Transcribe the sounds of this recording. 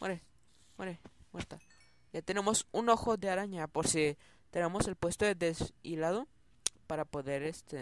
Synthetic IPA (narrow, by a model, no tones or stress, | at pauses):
meɾe | mweɾemweɾt̪a | jat̪ene̞mo̞suno̞xo̞ðeaɾaɲapoɾsi | t̪e̞ne̞mo̞se̞lpwe̞st̪oed̪esilaðo̞ | paɾapo̞ðe̞ɾest̪e